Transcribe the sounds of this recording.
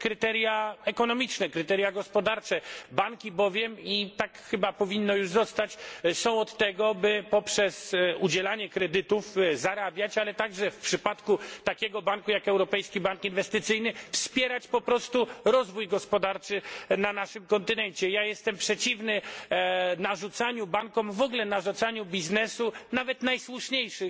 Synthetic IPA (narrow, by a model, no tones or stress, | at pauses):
kɾɘt̪ɛɾjaɛkɔnɔmʲit͡ʂnɛkɾɘt̪ɛɾʲjaɡɔspɔd̪aɾt͡ʂɛbaŋkʲibɔvʲjɛmit̪akxɘbapɔvʲinːɔjuʐzɔst̪at͡ɕsɔ̃w̃ɔt̪ːɛɡɔbɘpɔpʂɛsud͡ʑɛlaɲɛkɾɛd̪ɘt̪ufzaɾabʲjat͡ɕalɛt̪aɡʐɛfpʂɘpat̪kut̪akʲɛɡɔbaŋkujakɛwɾɔpɛjskʲibaŋkinvɛst̪ɘt̪sɘjnɘfspʲjɛɾat͡ɕpɔpɾɔst̪uɾɔzvujɡɔspɔd̪aɾt͡ʂɘnanaʂɘmkɔnt̪ɘnɛɲt͡ɕɛjajɛst̪ɛmpʂɛt͡ɕivnɘ | naʐut̪saɲubaŋkɔmvɔɡlɛnaʐut̪saɲubʲiznɛsunavɛt̪najswuʂɲejʂɘ